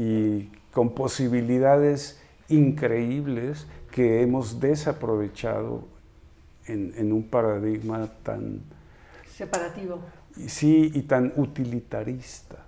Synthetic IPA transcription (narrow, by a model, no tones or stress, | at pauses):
iko̞mposiβiliðaðes | iŋkɾeiβleskeemozd̪e̞sapɾoβe̞t͡ʃa̰ðo̰ | enenumpaɾaðiɣmat̪a̰n | sepaɾat̪iβo | siːt̪anut̪ilit̪aɾist̪ḁ